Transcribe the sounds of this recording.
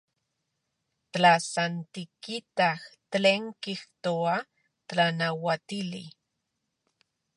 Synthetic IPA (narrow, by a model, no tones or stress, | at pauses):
t̪lasant̪ikit̪axt̪leŋkixt̪oa | t̪lanawat̪ili